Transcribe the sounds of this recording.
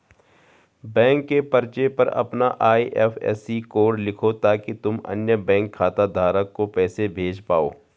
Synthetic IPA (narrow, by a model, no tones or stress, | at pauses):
bɛ̃ːŋkːepɐɾt͡ʃepɐɾɐ̰pnaʔaːiʔɛ̰ːfʰɛ̰ːsikoːɽlɪkʰot̪aːkit̪ʊmɐ̰njəbɛ̃ːŋkʰːaːt̪ad̪ʱaːɾəkːopɛːsebʱeːd͡ʒpaːo̰ː